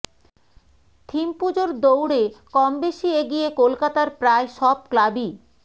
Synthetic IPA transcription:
t̪ʰimpud͡ʑoɾd̪owɽekɔmbeʃieɡijekolkat̪aɾpɾaeʃɔb̚klabi

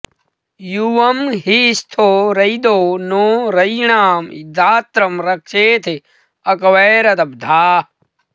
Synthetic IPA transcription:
juʋɐmɦist̪ʰoːɾɐjd̪oːnoːɾɐjɳaːmḭd̪ʱaːt̪ɾɐmɾɐkʃeːt̪ʰe | ɐkɐʋeːɾɐt̪ɐb̚d̪ʱaː

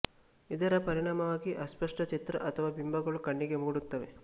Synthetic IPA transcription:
id̪ɐɾɐpɐɾiɳaːmɐʋaːɡiʔɐspɐʂʈɐt͡ʃit̪ɾɐ̰ʔɐt̪ʰɐʋaːbimbʱɐɡɐɭukɐɳːiɡe̞muːɽut̪ːɐʋe

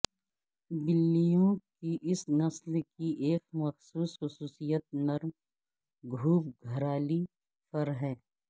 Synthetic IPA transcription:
bɪlːijõkiʔɪsnɐslkiʔeːkmɐxsuːsxʊsuːsijət̪̚nɐɾm | ɡʱuːpɡʱɐɾaːli | pɐɾɦɛ̃ː

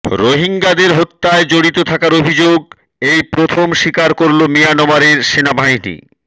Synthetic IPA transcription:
ɾoɦiŋɡad̪eɾɦot̪ːaed͡ʑoɽit̪ot̪ʰakaɾobʱid͡ʑoɡ̚ | ejpɾot̪ʰomʃikaɾkoɾlomijanobaɾeɾʃenabʱajnḭ

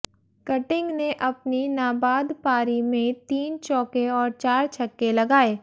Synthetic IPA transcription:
kɐʈɪ̃ŋɡneʔɐpninaːbaːd̪paːɾimẽt̪iːnt͡ʃɔːkeɔːɾt͡ʃaːɾt͡ʃʰɐkːelɐɡaːeː

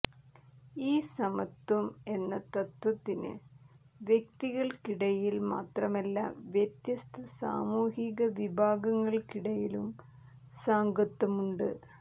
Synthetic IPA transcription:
iːsɐmɐt̪ːwɐme̞nːɐt̪ɐt̪wɐt̪ːinɨ̰ | ʋjek̚t̪iɣɐɭkiɽɐjilma̰ːt̪rɐme̞lːa̰ːmʋjet̪jɐst̪ɐsa̰ːmuːhiɣɐʋibʱaːɡɐŋːɐɭkiɽɐjilum | saːŋɡɐt̪ːɐmuɳɖɨ̰

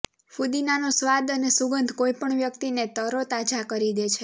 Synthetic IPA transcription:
fud̪inanosʋad̪ənesuɡənd̪ʱkoipəɳʋjəkt̪inet̪əɾot̪at͡ʃakəɾid̪et͡ʃʰe

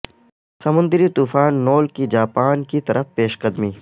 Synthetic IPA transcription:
sɐmʊ̃nd̪ɾit̪uːfaːnːoːlkid͡ʒaːpaːnkit̪ɐɾʔəfpeːʃkɐd̪miː

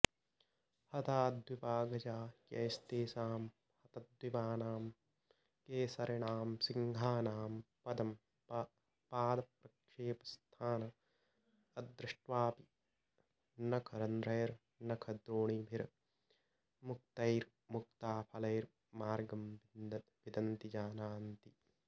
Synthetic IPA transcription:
hɐt̪aːd̪ʱwipaːɡɐt͡ʃaːkɐːjst̪eːsaːm | hɐt̪ɐd̪ʱwipaːnaːm | keːsɐɾɐɳaːmsiŋɡʱaːnaːmpɐd̪ɐm | paːd̪ɐpɾɐkʂeːpɐst̪ʰaːnɐ | ɐd̪ɾɪʂʈʋaːpi | nɐkʰɐɾɐnd̪ɾɐjɐɾ | nɐkʰɐd̪ɾoːɳibʱiɾ | muk̚t̪ɐjɾ | muk̚t̪aːpʰɐlɐjɾ | maːɾɡɐmiʋid̪ɐnt̪id͡ʒaːnaːnt̪i

